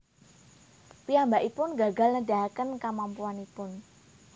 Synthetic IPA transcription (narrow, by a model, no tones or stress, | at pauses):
piambaʔipʊnɡaɡalnədaɦakənkamampuanipʊn